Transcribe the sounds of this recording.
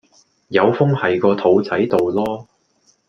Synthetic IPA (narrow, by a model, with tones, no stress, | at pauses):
jɐ˨˧wfʊ˥ŋhɐ˨jkɔː˧t̪ʰo˨˥wt͡sɐ˨˥jt̪o˨wlɔː˥